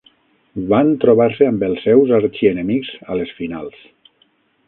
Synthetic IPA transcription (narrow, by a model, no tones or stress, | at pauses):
bant̪ɾoβaɾseambelˠsːɛwzaɾt͡ʃienemikz̥a̰lesfina̰lˠs